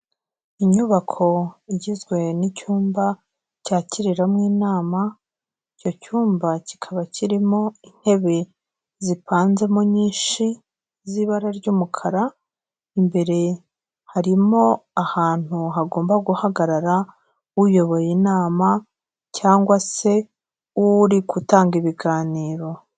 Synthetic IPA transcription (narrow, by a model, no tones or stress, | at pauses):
iɲuβakʰo̞iɟizɡwe̞nicuːmba | caːciɾiɾamŋiːnaːma | ico̞cuːmbacikʰaβacʰiɾimo̞in̥he̞βe̞ | zipaːnze̞moɲiːnʃi | ziβaɾaɾɟuːmukʰaɾa | imbe̞ɾe̞ | haɾimo̞ahaːn̥uɦaɡo̞ːmbaɡuhaɡaɾaɾa | ujo̞βo̞jinaːma | caːŋɡwase̞ | uɾikutaːŋɡiβiɡaːniːɾo̞